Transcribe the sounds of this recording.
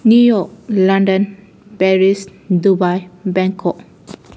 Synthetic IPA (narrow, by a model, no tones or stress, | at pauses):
njujɔk̚lãndə̃n | pɛɹisdubajbɛ̃ŋkʰɔk̚